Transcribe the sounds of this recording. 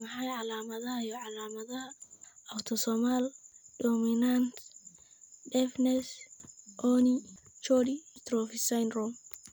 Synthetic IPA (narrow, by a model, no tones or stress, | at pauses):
mɐħajʕalaːmɐðɐhɐjɔʕalaːmɐðɐhɐɐwt̪ʰɔsɔmaldɔːmɪnant̪ | dɛfnɛsʔɔnit͡ʃɔɾit̪ɾɔfɪsajnrɔm